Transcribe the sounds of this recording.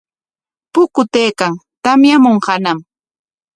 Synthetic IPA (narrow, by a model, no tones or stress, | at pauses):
pʊkʊt̪ejkaŋt̪amjamoɴhanam